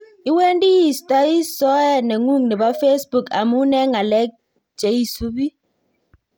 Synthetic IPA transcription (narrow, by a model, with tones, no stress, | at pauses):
i˦wɛ˦n˦di˦ji˦˨sta˦i˦sɔ˦ɛ˦˨nɛ˨ŋu˦˨ŋnɛ˨ba˦fe˦sbu˦˨ka̰˨mu˦nɛ˦ŋa˨lɛ˦k̚ | t͡ʃe˨˦i˦su˦bi˦